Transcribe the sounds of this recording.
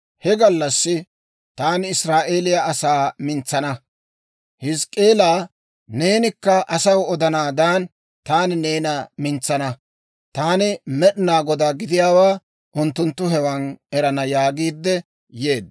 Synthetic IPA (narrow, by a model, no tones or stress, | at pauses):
hɛɡɐlːɐsːɪ | t̪aːnɪsɾaːʔe̞ːlɪjaʔɐsaːmɪnt͡sːɐnɐ | hɪskʼe̞ːlaː | ne̞ːnɪkːɐʔɐsɐwɔd̪ɐnaːd̪an | t̪aːnɪne̞ːnɐmɪnt͡sːɐnɐ | t̪aːnɪmɛɗɪnaːɡɔd̪aːɡɪd̪ɪjaːwaː | ʔʊnt̪ːʊnt̪ːʊɦɛwɐnɛɾɐnɐjaːɡiːd̪ːɛ | je̞ːd̪